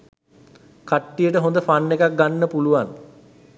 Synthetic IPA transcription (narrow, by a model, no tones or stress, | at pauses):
kaʈːijəʈəɦond̪əfanːekak̚ɡanːəpuluʋan